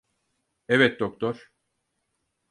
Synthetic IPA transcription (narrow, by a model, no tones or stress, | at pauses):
ɛvɛt̪̚d̪ok̚t̪ʰoɾ̥